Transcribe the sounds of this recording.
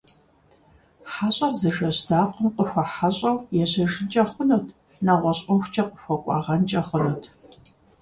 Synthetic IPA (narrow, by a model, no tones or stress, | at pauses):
ħaɕʼɐrzɐʒɐɕz̥aːqʷʼəmqʷʼəxʷɐħaɕʼɐwjɛʑɐʒɨnt͡ʃʼɐχʷʊnoːtʰ | naːʁʷɔɕʼʊxʷt͡ʃʰɐqʷʼəxʷɐkʷʼɑ̰ːʁɐnt͡ʃʼɐχʷʊnowtʰ